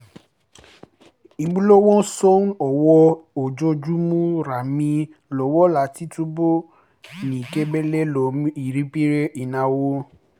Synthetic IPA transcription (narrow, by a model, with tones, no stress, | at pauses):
i˧ɡ͡bu˦lo˦wɔ̃˦so˦nɔ˨wɔ˧o˨d͡ʒo˧d͡ʒu˦mũ˦ɾa˨mĩ˧ | lɔ˨˦wɔ˦la˨˦ti˨˦tu˦bo˦ | nĩ˨ke˦bɛ˦lɛ˦lo˨m˦i˨ɾi˦pi˦ɾe˦ʔi˨nã˧wo˦